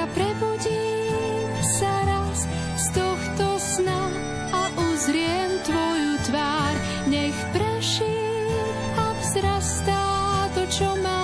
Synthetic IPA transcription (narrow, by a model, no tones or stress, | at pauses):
apɾɛbuɟiː | msaɾas | st̪ɔxt̪ɔsnam | aʔuzɾɪɛmt̪ʋɔjut̪ʋaːɾ | ɲɛxpɾɛʃiː | m | avzɾast̪aːt̪ɔt͡ʃɔma